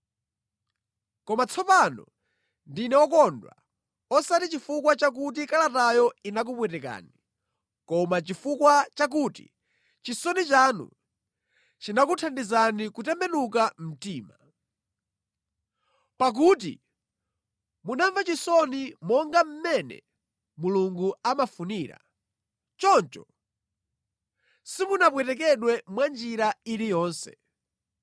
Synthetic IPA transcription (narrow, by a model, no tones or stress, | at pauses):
kɔmat͡sʰɔpanɔ̰ | ndinɛɔkɔndwa̰ | ɔsatit͡ʃifuk̬wat͡ʃak̬ut̬ikalatajɔinak̬upwɛtɛk̬a̰ːni | kɔmat͡ʃifukwat͡ʃak̬uːtḭ | t͡ʃisɔnit͡ʃaːnṵ | t͡ʃinak̬utʰandizanikutɛmbɛnukam̩tiːma | pak̬ut̬ḭ | munaɱvat͡ʃisɔnimɔŋɡam̩mɛnɛ̰ | muluŋɡuamafuniːɾa̰ | t͡ʃɔnt͡ʃɔ̰ | simunapwɛtɛk̬ɛɗwɛmwand͡ʒiɾaiɾijɔːnsɛ̥